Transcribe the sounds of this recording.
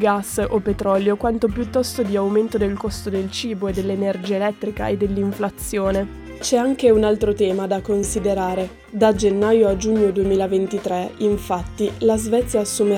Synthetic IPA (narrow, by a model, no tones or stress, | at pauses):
ɡasːopet̪ɾɔljokwant̪opjut̪ːɔst̪od̪iawment̪od̪elkɔst̪od̪elt͡ʃiːboed̪ːelːenerd͡ʒiaelɛt̪ːɾika̰ed̪ːelːiɱflat̪sːjoːne | t͡ʃɛaŋkeunalt̪ɾot̪ɛːmad̪akonsid̪eɾaːɾe | d̪ad͡ʒenːajoad͡ʒuɲːod̪uemiːlavent̪it̪ɾɛiɱfat̪ːilazvɛt̪sːjaːsːume